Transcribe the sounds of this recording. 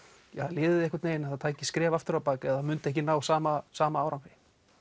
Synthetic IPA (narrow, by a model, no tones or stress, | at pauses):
jɛhaðlɪːðɪðɪɛhkvaɾt̪neːjɪnaθaðt̪ʰaːjɲcɪskɾɛːvaft̪ʏɾawpaːcɪaðθamʏnt̪ɪɛhcɪnaːwsaːmasaːmaaːwɾawnfɪ